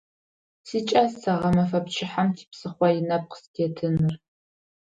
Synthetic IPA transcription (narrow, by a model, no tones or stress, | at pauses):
siːt͡ʃʼɐssɐʁɐmɐfɐpt͡ʃʰɪħamtʰi̥psɨχʷɔjɪnɐp̚qə̥stʰetʰɨnɨr